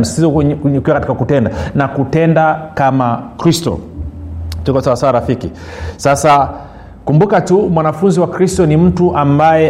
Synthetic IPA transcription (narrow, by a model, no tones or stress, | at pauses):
msizɔuɲukiwakati̥kakutɛndanakutɛndakamakɾistɔ̰ | tukasawasawaɾafiki | sasa | kumbukatumwanafunziwakɾistɔnim̩tuʔambajɛ